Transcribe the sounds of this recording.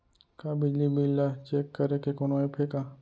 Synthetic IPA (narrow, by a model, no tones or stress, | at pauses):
kabɪd͡ʒlibilːat͡ʃekːɐɾekekonoepʰeːka